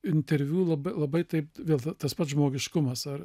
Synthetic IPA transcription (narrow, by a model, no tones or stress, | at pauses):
ɪnʲt̪ʲɛɾʲʋʲuːlˠɐbɐɪlˠɐbɐɪt̪ɐɪpʋʲeːlˠt̪ɐt̪ɐspɐt̪ʒmoːɡʲɪʃkʊmɐsɐr